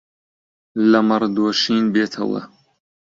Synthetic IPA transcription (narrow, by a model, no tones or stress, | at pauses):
lɐmɐɾd̪oːʃiːnbeːt̪ʰɐ̰wɐ̰